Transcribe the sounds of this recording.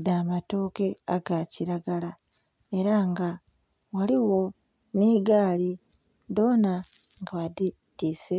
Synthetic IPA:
daːmato̞ːke̞aɡaciɾaɡala | e̞ɾaŋɡa | waliwo̞ | niːɡaːli | do̞ːna | ŋɡaβadi | tiːse

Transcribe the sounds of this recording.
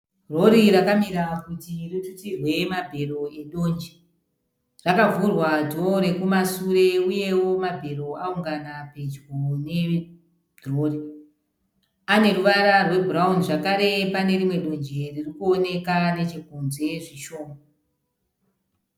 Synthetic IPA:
ro̞ɾiɾakamiɾakutiritutirwe̞mabʱe̞ɾo̞eɗo̞nd͡ʒi | rakavurwadʱo̞ɾe̞kumasuɾe̞uje̞wo̞mabʱe̞ɾo̞auŋɡanaped͡ʒɡone̞ | roːri | ane̞ruʋaɾarwe̞buraunʐakaɾe̞pane̞ɾimwe̞ɗo̞nd͡ʒeririkuone̞kane̞t͡ʃikunze̞ʐiʃo̞ːmo

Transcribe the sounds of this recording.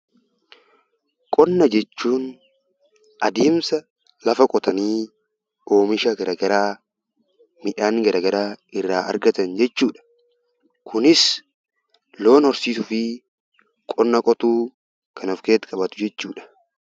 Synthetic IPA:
kʼɔnːɐd͡ʒɛt͡ʃːuːn | ʔɐd̪eːmsɐ | lɐfɐkʼɔt̪ɐniː | o̞ːmɪʃɐɡɐɾɐɡɐɾaː | mɪᶑaːŋɡɐɾɐɡɐɾaːɪrːaːʔɐ̰ɾɡɐt̪ɐnd͡ʒɛt͡ʃːuːᶑɐ̥ | kʰʊnɪs | lo̞ːnhɔɾsiːsʊfɪ | kʼɔnːɐkʼɔt̪uː | kʰɐnɔfke̞ːt̪kʼɐbɐt̪ʊ̥d͡ʒɛt͡ʃːuːᶑɐ̥

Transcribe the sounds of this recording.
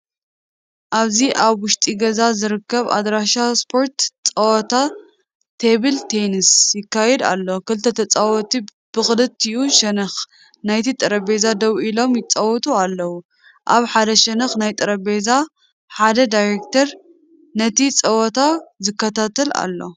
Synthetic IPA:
ʔaβziʔaβwʊʃt̪ʼiɡɐzazɨɾɨkʰːɐβa̰d̪ɾaʃaspʰo̞ɾt̪t͡sʼɐwɔt̪ʰa | t̪ʰeβilt̪ʰenisjɪkːajɛd̪a̰lːo̞kɨlt̪ʰɐt̪ʰɐt͡sʼawɔt̪ʰi | b̥ɨxʼɨlɨt̪ːɨjʔuʃɐnɐx | najt̪ʰit̪ʼɐɾɐbezad̪ɐwʔilo̞mjɪt͡sʼɐwɔt̪ʼualːɐwu | ʔaβħad̪ɐʃɐnɐxnajt̪ʼɨɾɐbeza | ħad̪ɐd̪ajɾekt̪ʰɐɾ | nɐt̪it͡sʼɐwɔt̪ʰazɨkːɐt̪ʰat̪ʰɐla̰lːo̞

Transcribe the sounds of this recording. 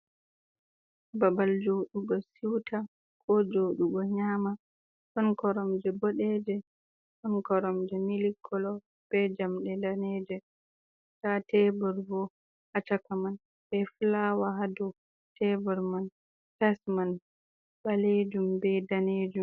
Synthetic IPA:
babald͡ʒoɗuɡɔsiwtʰa | kʰɔd͡ʒoɗuɡɔɲama | sɔnkɔɾɔmd͡ʒɛbɔɗɛd͡ʒɛ | sɔnkɔɾɔmd͡ʒɛmilikʰːɔlɔ | b̥ɛd͡ʒamɗɛdanɛd͡ʒɛ | tatɛbɔɾvɔ | hat͡ʃakaman | bɛfulawaɦadɔ | tɛbɔɾman | kɛsman | baled͡ʒumbɛdaned͡ʒum

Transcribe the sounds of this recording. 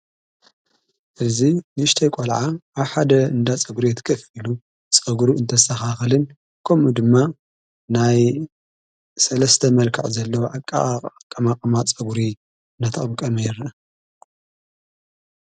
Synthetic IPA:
ʔɨzinʃt̪ʰɐjkʷʼolʕaʔaβħad̪ɐɨnd̪at͡sʼɐɡuɾijɛt̪ʰkʰɐfilu | t͡sʼɐɡuɾiɨnt̪ʰɐsaxaxɨlɨn | kʰɐmud̪ɨmːa | naj | sɐlɐst̪ʰɐmɐlkʰɐ̰ʕzɐlːɐwoʕakʼakʼɐmakʼɐmat͡sʼɐɡuɾi | nɐt̪ʰɐχʼmkʼɐmɐjɾ

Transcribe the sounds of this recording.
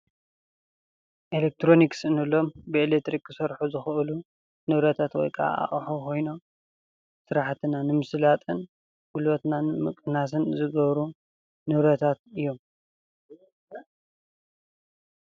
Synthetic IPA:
ʔelek̚t̪ʰɾo̞niksɨnɨlo̞mbɨelek̚t̪ɾikːɨsɐɾħuzɨxɨʔɨlu | nɨβɾɐt̪ʰat̪wɔ̰jkʼʰa̰ʔa̰ʔʼħokʰo̞jno̞m | sɨɾaħt̪ʰɨnanɨmɨsɨlat̪ʼɨn | ɡ̥ulbɐt̪nanɨmɨkʼɨnas̬ɨnzɨɡɐβɾu | nɨβɾɐt̪ʰat̪̚ɨjːo̞m

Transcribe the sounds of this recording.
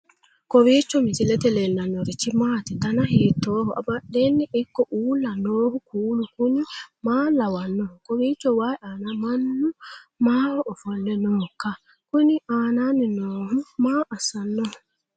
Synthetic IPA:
kowit͡ʃːɔmit͡ʃilɛt̪ɛlɛnanoɾit͡ʃimaːt̪itanahitːɔːhɔʔa̰baɗenːiʔikːɔʔuːlanoːhukuːlukunimalawanːɔkowit͡ʃːɔwaiʔanamanːumaɾɔfɔlːɛnɔka | kuniʔaːnaninɔːhumaʔasanːɔ

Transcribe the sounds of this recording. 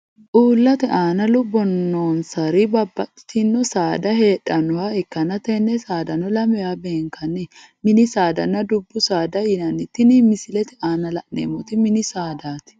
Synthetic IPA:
ʔuːlːɐt̪ɛʔaːnɐlʊbɔnːoːnsɐɾɪbɐbːɐt̪ʼːɪ̥t̪ɪnːɔsaːd̪ɐhe̞ːᶑɐnɔwaɛkːɐnɐt̪ɛnːɛsaːd̪ɐnːɔlɐmɛjaːbe̞ːŋkɐnːɛ | mɪnɪsaːd̪ɐ̰nːɐd̪ʊbːʊsaːd̪ɐjɪnɐnɪt̪ːɪnɪmɪsɪlɛt̪ɛaːnɐlɐʔnḛːmɔt̪ɪmɪnɪsaːd̪aːt̪ɪ̥

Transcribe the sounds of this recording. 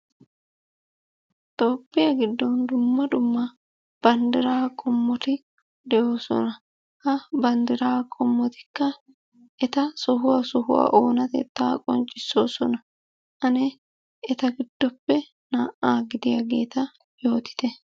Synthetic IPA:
t̪oːpːɪjɐɡɪd̪ːɔnd̪ʊmːɐd̪ʊmːɐ | b̥ɐnd̪ɪɾaːkʼɔmːɔt̪ɪ | d̪ɛʔo̞ːsɔ̰nɐ | hɐbɐnd̪ɪɾaːkʼɔmːɔt̪ɪ̥kːɐ | ʔɛt̪ɐsɔɦʊwɐsɔɦʊ̰wa̰ːʔoːnɐt̪ɛ̰t̪ːa̰ːkʼɔ̰nt͡ʃʼːɪsːo̞̰ːsɔnɐ | ʔɐnɛ | ɛt̪ɐɡɪd̪̥ːɔpːɛ | naːʔaːɡɪd̪ɪjɐɡe̞ːt̪ɐ | jo̞ːt̪ɪ̥t̪ɛ

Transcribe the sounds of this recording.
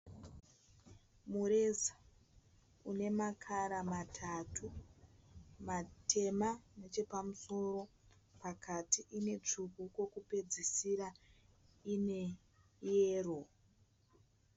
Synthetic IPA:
muɾe̞sḁ | une̞makʰaɾamatʰatʰu | matʰe̞mane̞t͡ʃe̞pamuso̞ɾo̞ | pakʰatiʔine̞t͡ʂukuko̞kupe̞d͡zisiɾa | ine̞ | jeːro̞

